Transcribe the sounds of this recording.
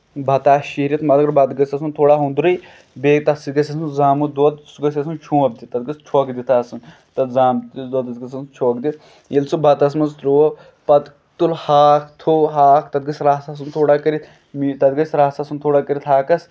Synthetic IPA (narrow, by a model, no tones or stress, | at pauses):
bʱɐt̪aːʃiɾʲit̪mɐt̪ɡɐɾbɐd̪ɡɐsʲɐsunt̪ʰoːɽaːɦũnd̪ɾɨj | beːɡ̚t̪ɐsiɡɐsʲɐsuzaːmud̪ot̪suɡɐs̬ʲɐsunt͡ʃʰũːɐb̚d̪it̪ɐt̪̚ɡɐst͡ʃʰoːkd̪it̪ʰaːsɨn | t̪ɐzaːmd̪oːd̪ɐsɡɐsɐt͡ʃʰoːkd̪it̪ | ilsubʱɐt̪ɐs̬mɐnzɾoo | pɐt̪ | t̪ulhaːkʰt̪ʰoɦaːkʰt̪ɐd̪̚ɡɐsʲɾaːsas̬unt̪ʰoːɽaːkəɾit̪ | mit̪ɐd̪ɡɐsʲɾaːsasunt̪ʰoːɽaːkəɾʲit̪ɦaːkɐs